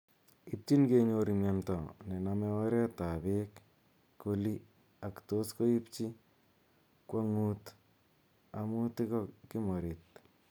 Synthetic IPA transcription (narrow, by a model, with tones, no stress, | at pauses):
i˦p̚t͡ʃi˦nke˦ɲo˧ɾi˨mja˨ntɔ˨nɛ˨na˨mɛ˦ɔ˦ɾɛ˦ta˨be˦kː | o˦li˦ | a˨kto˦sko˦i˦pt͡ʃi˦ | kwa˦ŋu˦t | a˨mu˦tɪ˦kɔ˦kɪ˦mo˨ɾi˨t̚